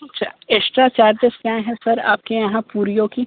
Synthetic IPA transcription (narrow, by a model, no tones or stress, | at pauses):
ɐtt͡ʃʰa̰ːesʈɾaːt͡ʃaːɾd͡ʒəskjãɦɛsɐɾa̰ːp̚kejɐɦãpuːɾijoki